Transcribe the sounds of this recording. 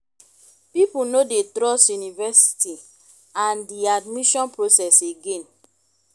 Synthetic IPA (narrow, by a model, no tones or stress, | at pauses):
pipunodetɾɔsjunivɛsi̥ti | ãndiadmiʃɔ̃npɹosɛseɡẽn